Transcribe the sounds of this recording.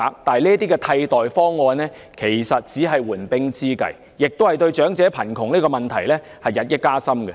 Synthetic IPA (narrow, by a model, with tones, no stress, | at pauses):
aː˨˧k̚t̪aː˨niː˥ət̪iː˥kɛ˧t̪ʰɐ˧jt̪ɔː˨jfɔː˥ŋːɔː˧nlɛː˥ | kʰe˨˩jsɐ˨t̚t͡siː˨˥ɦɐ˨jwuː˨˩npɪ˥ŋt͡siː˥kɐ̰˨j | jɪ˨k̚t̪o˥hɐ˨jt̪ɵ˧ɥt͡ʃœː˨˥ŋt͡sɛː˨˥pʰɐ˨˩nkʰʊ˨˩ŋniː˥kɔː˧mɐ˨nt̪ʰɐ˨˩jlɛː˥ | hɐ˨jːɐ˨t̚jɐ˥t̚kːaː˥sɐ˥mɡɛ˧